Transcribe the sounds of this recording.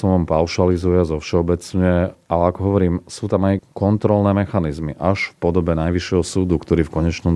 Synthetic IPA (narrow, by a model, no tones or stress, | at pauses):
ɔmʋampaʊʃalizujazɔfʃɛɔbɛt͡sɲɛʔalɛakɔɦɔʋɔɾiːmsuːt̪amajkɔnt̪ɾɔlnɛːmɛxanizmiʔaʃfpɔd̪ɔbɛnajʋiʃɪɛɦɔsuːd̪ukt̪ɔɾiːfkɔɲɛt͡ʃnɔm